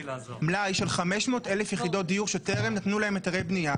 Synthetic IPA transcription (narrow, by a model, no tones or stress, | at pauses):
mlajiʃelχameʃmo̞ːtelefjeχido̞t̚d̪ijuʁʃelteʁemnatnulaɦe̞metaʁejbnija